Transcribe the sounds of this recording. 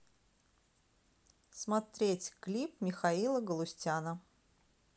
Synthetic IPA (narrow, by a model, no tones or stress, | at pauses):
smɐt̪ɾʲetʲklʲip̚mʲɪxɐilˠəɡəlˠʊsʲtʲanə